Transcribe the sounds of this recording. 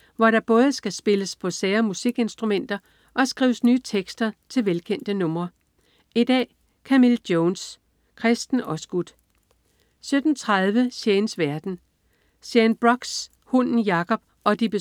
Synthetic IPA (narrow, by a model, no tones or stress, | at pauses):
ʋɒɾ̥ɑ̈b̥ɔ̽ːð̞̩ˠəsɡ̥æsb̥e̝ləspʰɒ̽seːɐmusiɡ̥e̝nsd̥ʁumen̰d̥ɐ | ʔɒ̽sɡ̥ʁḭːʊəsnyːt͡sʰeɡ̥sd̥ɐt͡sʰe̝lʋelkʰen̰d̥ənɔ̽mʁɐ | id̥ɛ̰ː | kʰæmild̥joːns | kʰʁɛsd̥n̩ɒ̽sɡ̥ud̥ | sød̥n̩t͡sʰʁɑð̞ˠʋəseːnsʋæɐd̥n̩ | sjænb̥ʁɒ̽ɡ̥s | hɔnn̩jɑ̈kʰɒ̽b̥ | ɒ̽d̥ib̥e̝